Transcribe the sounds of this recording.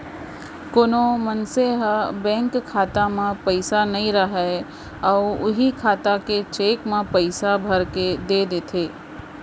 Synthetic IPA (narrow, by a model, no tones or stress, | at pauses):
koːnomənseɦbɛ̃ːŋkʰːaːt̪amãpəɪsanɐĩɾəɦɛ | ɔːʊɦikʰaːt̪aket͡ʃeːkmãpəɪsabʱɐɾked̪ed̪eːt̪ʰeː